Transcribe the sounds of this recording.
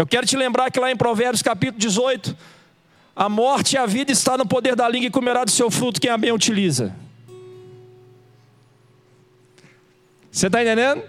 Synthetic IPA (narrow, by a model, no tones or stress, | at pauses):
ewkɛɾʊt͡ʃɪlẽmbɾaɾkɪlaẽj̃pɾovɛɾbjʊskapit̪ʊlʊd͡ʒɪzojt̪ʊ̥ | ɐmɔɾt͡ʃɪiɐvid̪ɐɪst̪anʊpod̪eɾd̪ɐlĩŋɡɐɪkomoɾad̪ʊsewfɾut̪ʊ̥kẽj̃abẽj̃ut͡ʃilizɐ̰ | set̪aẽt̪ẽd̪ẽd̪ʊ